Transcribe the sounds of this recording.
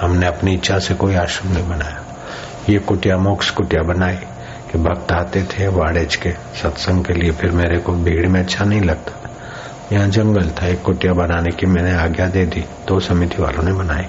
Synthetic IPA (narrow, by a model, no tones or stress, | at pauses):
hɐmneɐpniɪtːʃʰasekoːiaːʃɾəmnɐɦĩbɐnaːja | jekʊʈjamoːkskʊʈjabɐnaːi | kibʱɐɡ̚t̪aːt̪et̪ʰeʋaːɽeːt͡ʃke | sɐt̪sə̃ŋɡkeliepʰɪɾmeːɾekobʱiːɡɽimẽɐtːʃʰanɐɦĩlɐɡ̚t̪ḁ | jɐɦãd͡ʒɐ̃ŋɡəlt̪ʰaekːʊʈjabɐnaːnekimɛ̃ːneaːɡjad̪eːd̪id̪oːsɐmɪt̪iʋa̰ːlõnebɐnaːi